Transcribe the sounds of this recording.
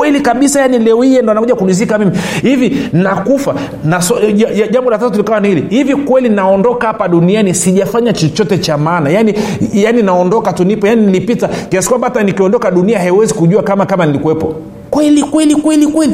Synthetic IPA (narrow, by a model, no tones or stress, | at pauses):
kwɛlikaɓisajanilɛɔhijɛndɔanakuʄakuliz̬ikamimihivinakufa | nasɔaaʄambɔlataat̬ulikawanihilihivikwɛlinaɔndɔkahapaɗunianisiʄafaɲat͡ʃɔt͡ʃɔtɛt͡ʃamaːnajanijaninaɔndɔkatunipɔjaninilipitakiasi̥kuwamɓatanikiɔndɔkaɗuniahaiwɛzikuʄuakamakamanilikuwɛpɔ̰ | kwɛlikwɛlikwɛlikwɛli